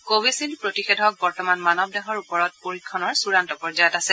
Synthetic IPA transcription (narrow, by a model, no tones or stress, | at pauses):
kowisilpɹotixɛdʱɔk̚bɔɹtɔmanmanɔb̚dɛɦɔɹupɔɹɔt̚poɹikʰːɔnɔɹsuɹantɔpɔɹzajɔtasɛ